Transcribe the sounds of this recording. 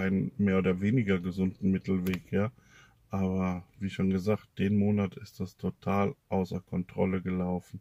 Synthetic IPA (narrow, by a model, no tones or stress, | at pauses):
ʔaɪnənmeːɐʔoːdɐveːnɪɡɐɡəzʊndn̩mɪtl̩veːkjaː | ʔaːβɐviːʃoːnɡəzaːkt̚d̥eːnmoːnatɪstd̥astʰotʰaːlʔaʊsɐkʰɔntʁ̥ɔ̰ləɡəlaʊfn̩